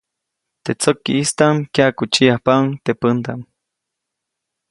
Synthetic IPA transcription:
t̪et͡sokːḭist̪aŋkakut͡ʃiahpaŋt̪epənt̪aŋ

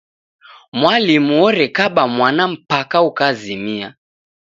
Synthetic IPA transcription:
mwalimuɔɾɛkaɓamwanam̩pakaukazimia

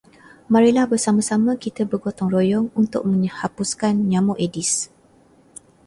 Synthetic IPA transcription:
mãɾilahbərsamãsamãkit̪əbərɡot̪ɔŋrojɔŋunt̪ʊ̰k̚mə̃ɲəhapuskanɲãmuʔedis

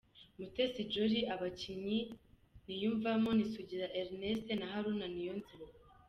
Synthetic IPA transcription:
mutesid͡ʒoɾiʔaβaciɲi | nijuːɱvamonisuɟiɾaʔeɾnestenaɦaɾunanijo̞nziɾa

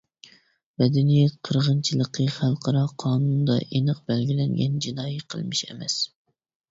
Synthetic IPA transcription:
mɛd̪ɛnijɛt̪qʰəɾʁənt͡ʃʰilˠəqʰəχælˠqʰɑɾɑqʰɑːnund̪ɑ̰ʔenɨq̚bɛlɡʲilɛŋɡʲɛ̰nd͡ʒinɑːjiqʰə̰lˠmɨʃɛ̰mɛ̰s

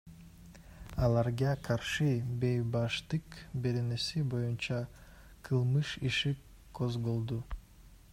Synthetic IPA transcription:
ɑlˠɑɾɡɑkʰɑɾʃɯbe̞jbɑʃt̪ɯkbe̞ɾenesibo̞junt͡ʃɑ | qʰɯlˠmɯʃiʃi | kʰozɡolˠd̪u

